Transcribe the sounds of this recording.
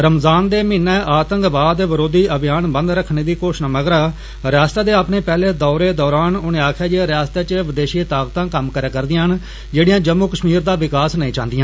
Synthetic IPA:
ɾəmzaːnd̪eːmɪːnɛːʔaːt̪əŋkbaːd̪ʋəɾoːd̪iːəbɪjaːnbənd̪ɾəkʰːneːd̪iːkoːʃnaməɡɾaː | ɾjaːst̪aːd̪eːapneːpɛːleːd̪ɔːɾeːd̪ɔːɾaːnʊnẽːaːkʰjaːd͡ʒeɾɪjaːst̪eːt͡ʃʋɪd̪eːʃit̪aːkt̪ãːkəmkəɾeːkəɾd̪ɪiãɦən | d͡ʒeːɽɪjãːd͡ʒəmːuːkəʃmiːɾd̪aːʋɪkaːsnəĩːt͡ʃãːnd̪ɪjãː

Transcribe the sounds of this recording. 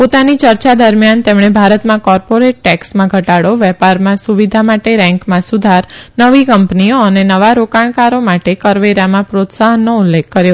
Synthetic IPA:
pot̪anit͡ʃəɾt͡ʃad̪əɾmjant̪emɳ̃ebʱaɾət̪mãkɔɾpoɾeʈ̚ʈɛksmãɡʱəʈaɽoʋɛpaɾmãsuʋid̪ʱamaʈeɾɛ̃ŋkmãsud̪ʱaɾnəʋikəmpnioənenəʋaɾokaɳ̃kaɾomaʈekəɾʋeɾamãpɾot̪saɦənːoʊlːekːəɾjo

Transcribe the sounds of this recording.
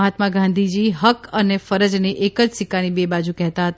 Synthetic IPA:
ɦat̪mãɡʱãnd̪ʱid͡ʒiɦəkənefəɾəd͡ʒneʔekəd͡ʒsikanibebad͡ʒukɛɦt̪aɦət̪

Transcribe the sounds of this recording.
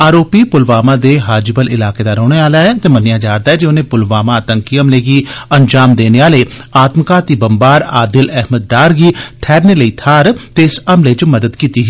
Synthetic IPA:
aːɾoːpiːpʊlʋaːmãːd̪eːɦaːd͡ʒɪbəlɪlaːkeːd̪aːɾɔ̃ːɽeːaːlaːɛːt̪eːmənjaːd͡ʒaːɾd̪aːɦɛːd͡ʒeʊnẽːpʊlʋaːmãt̪əŋkiːəmleːɡiːənd͡ʒaːmd̪eːneːaːleːaːt̪mkaːt̪iːbəmbaːɾaːd̪ɪlɛɦməd̪̚ːaːɾɡiːʈʰɛːɾneːləiːt̪ʰaːɾt̪esəmlet͡ʃməd̪əd̪kiːt̪iːɦɛː

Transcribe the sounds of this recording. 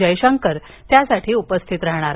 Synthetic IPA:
əjɕəŋkəɾ | t̪jasaʈʰiːupəst̪ʰit̪ɾəɦɽ̃aɾ

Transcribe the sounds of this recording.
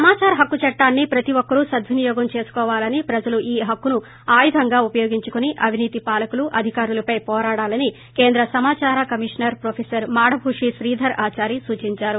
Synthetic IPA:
ɐmaːt͡ʃaːɾɐɦɐkːut͡ʃɐʈːaːnːipɾɐt̪iʋɔkːɐɾusɐd̪ʋinijɔːɡɐmt͡ʃe̞ːsu̥kɔːʋaːlɐnipɾɐd͡ʒɐluʔiːɦɐkːunu | aːjid̪ʱɐŋɡaːupɐjoːɡiɲt͡ʃukuniʔɐbʱiniːt̪ipaːlɐkuluʔɐd̪ʱikaːɾulɐpɐjpɔːɾaːɽaːlɐni | ke̞ːnd̪ɾɐsɐmaːt͡ʃaːɾɐkɐmiʂɐnɐɾpɾoːpʰeːsɐɾmaːɽɐbʱuʂisɾiːd̪ʱɐɾaːt͡ʃaːɾisuːt͡ʃiɲt͡ʃaːɾu

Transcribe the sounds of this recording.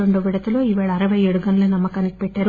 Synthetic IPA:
oɳɖoːʋiɽɐt̪ɐloːiʋaːɭɐːɾɐʋɐjeːɽuɡɐnɐlɐnɐmːɐkɐnik̚pɛʈːaːɾu

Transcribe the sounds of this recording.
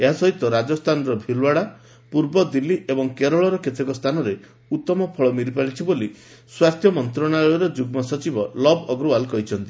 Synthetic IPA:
eɦasɔɦit̪ɔɾad͡ʒɔst̪ʰanɾɔbʱilwaɽa | puɾbɔd̪ilːiebɔŋkeɾɔɭɔɾɔket̪ʰekɔst̪ʰanɔɾe | ut̪ːɔmɔpʰɔɭɔmiɾipaɾit͡ʃʰiboli | swast̪ʰjɔmɔnt̪ɾɔɽ̃aɔjɔɾɔd͡ʒuɡmɔsɔt͡ʃibɔlɔbɔɡɾualkɔɦit͡ʃʰɔnt̪i

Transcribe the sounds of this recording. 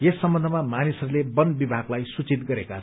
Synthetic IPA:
jesːʌmbʌ̃nd̪ʱʌmamanisʌɾulebʌnbibʱaɡlajsut͡sit̪̚ɡʌɾeka

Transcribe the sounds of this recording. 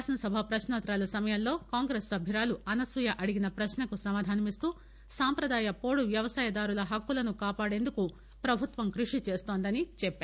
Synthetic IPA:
t̪ʰɐnɐsɐbʱapɾɐʃnaːt̪ɾaːlɐsɐmɐjɐmlːo̞ːkaːŋɡɾeːsːɐbʱiɾaːluɐnɐsʋujɐʔɐɽiɡinɐpɾɐʃnɐkusɐmaːd̪ʱaːnɐmist̪uː | saːmpɾɐd̪aːjɐpo̞ːɽuʋjɐʋɐsaːjɐd̪aːɾulɐɦɐkːulɐnukaːpaːɽe̞ːnd̪uku | pɾɐbʱut̪ʋɐmkɾuʂit͡ʃe̞ːst̪o̞ːnd̪ɐnit͡ʃɛpːeː

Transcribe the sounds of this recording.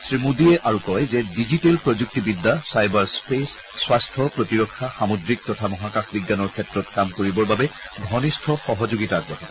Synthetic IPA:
sɹimudiɛʔaɹukɔjzɛdizitelpɹɔd͡ʒuk̚tibidːasajbaɹspesː | wastʰɔpɹotiɹɔkʰːaxamɔdɹik̚tɔtʰamɔɦakaxbiɡːanɔɹkʰɛtɹɔt̚kamkoɹibɔɹbabɛ | bʱɔnistʰɔxɔɦɔzoɡitaːɡ̚bɔɦa

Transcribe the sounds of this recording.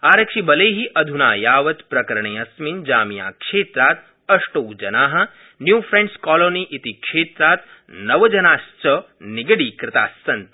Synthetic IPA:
aːɾɐkʂibɐleːɦiʔɐd̪ʱunaːjaːʋɐt̪pɾɐkɐɾɐɳeːɐsmind͡ʒaːmija̰ːkʂeːt̪ɾaːt̪ | ɐʂʈoːd͡ʒɐnaːɦɐ̆ | njuːfɾẽɳskɔːloːniʔit̪ikʃeːt̪ɾaːt̪̚nɐʋɐd͡ʒɐnaːst͡ʃɐ | niɡɐɽiːkɾɪt̪a̰ːsːɐnt̪

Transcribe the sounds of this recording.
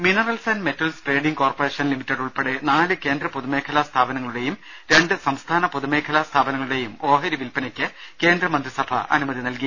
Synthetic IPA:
minɐrɐlsɐnme̞tːɐlspre̞ːɖiŋɡko̞ːrpore̞ːʂɐnlimitːɐɽuɭpeɽenaːlɨke̞ːnd̪rɐpuðumeːkʰɐlɐst̪ʰaːbɐnɐŋːɐɭuɽe̞jum | ɾe̞ɳɖɨsɐmst̪ʰaːnɐpuðume̞ːkʰɐlɐst̪ʰaːbɐnɐŋːɐɭuɽe̞jumo̞ːɦɐɾiʋilpɐnɐkʲːɨke̞ːnd̪rɐmɐnd̪risɐbʱɐ̰ɐ̰numɐðinɐlki

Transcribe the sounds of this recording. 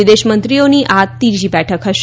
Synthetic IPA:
id̪eɕmənt̪ɾijoniːʔat̪ːiɾd͡ʑiːbɛʈʰəkɦəɕ

